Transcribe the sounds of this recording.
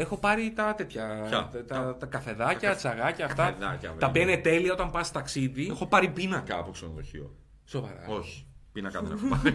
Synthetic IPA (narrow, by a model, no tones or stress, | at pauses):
exo̞pɐɾit̪ɐt̪e̞t̪çɐt̪ɐɐkɐfe̞ðɐcɐt͡sɐɣɐcɐːft̪ɐɐcɐt̪ɐpiɐinet̪e̞liɐo̞t̪ɐmpɐst̪ɐksiðiexo̞pɐɾipinɐkɐːpo̞ksenoðoçḭo̰ | sovɐ̰ɾɐ̰oçi̥pinɐkɐðeneɐ